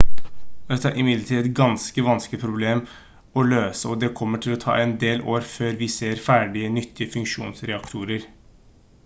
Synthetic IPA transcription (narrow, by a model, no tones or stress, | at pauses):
ɛt̪ːəæɾʔɪmɪd̪ləʈʰiːɛt̪ɡɑnskəʋɑnsk̪ɪpʰɾʊbleːm | ɔløːsəɔd̪ɛkʰɔmːəʈʰɪlɔt̪ʰɑ̰ːɛnd̪eːloːɾføːɾʋɪseːɾfæːɖɪənʏt̪ʰːɪəfʉŋkʂṵːnsɾɛɑkt̪ʰuːɾəɾ